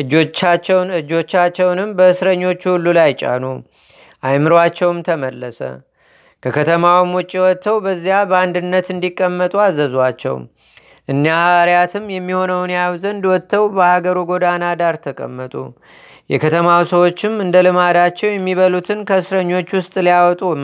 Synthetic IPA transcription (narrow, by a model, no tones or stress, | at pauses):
ʔɨd͡ʒoat͡ʃːɛwɨd͡ʒo̞t͡ʃːat͡ʃːɛwnɨmbəɨsɾəɲːo̞t͡ʃːhulːulajt͡ʃʼa̰nu | ʔajmɨɾwat͡ʃːɛwmt̪ʰəməlːəsə̰ | kʰəkʰət̪ʰəmawmwʊt͡ʃʼːiwɔt̪ːəwbəzːijabəand̪ɨnːət̪ɨnd̪ikʼːəmːət̪ʼuazːəzwat͡ʃːɛ̰w | ʔɨnːjaaɾjat̪ʰɨmːjɛmːiho̞nəwnjawzənd̪wɔt̪ʰːəwbəhaɡəɾuɡo̞d̪anad̪aɾt̪ʰəkʼə̰mːət̪ʼṵ | jɛ̰kʰət̪ʰəmawsəwo̞t͡ʃːɪmɨnd̪əlɨmad̪at͡ʃːɛwjɛmːiβəlut̪ʰɨnkʰəɨsɾəɲːo̞t͡ʃːwʊst̪ʼlijawɔt̪ʼu